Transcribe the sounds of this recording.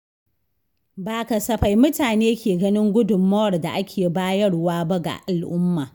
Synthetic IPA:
baː˨kɐ˨sɐ˨ɸa˨jmʊ˦taː˨neː˦kʲʰeː˨ɡɐ˦nɪ˦ŋɡʷʊ˦dʊ˨mːɐ˦wɐ˨rda̰˨ʔa˦kʲʰeː˨baː˦jɐ˦ɽwaː˦ba˦ɡa̰˨ʔa˨lʔʊ˦mːa̰ː˨

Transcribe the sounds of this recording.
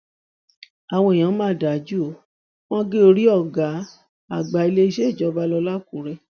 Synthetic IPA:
a˨w̃ɔ̃˧e˨j̃ã˨˦mãː˦˨da˨d͡ʒu˦o˨˦ | w̃ɔ̃˦ɡe˦o˧ɾi˦ɔ˦˨ɡa˨˦ | a˨ɡ͡ba˨i˧le˦i˧ʃe˦i˦˨d͡ʒɔ˨˦ba˦lɔ˧la˦kũ˨˦ɾɛ˧

